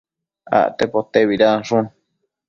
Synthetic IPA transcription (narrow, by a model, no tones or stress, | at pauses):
a̰ʔt̪epot̪eβiɾaʂũn